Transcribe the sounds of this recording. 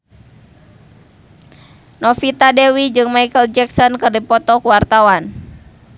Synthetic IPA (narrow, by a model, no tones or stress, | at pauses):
nɔfit̪adɛwid͡ʒɨŋmajkəld͡ʒɛksɔnkɨrdipɔt̪ɔkuwart̪awan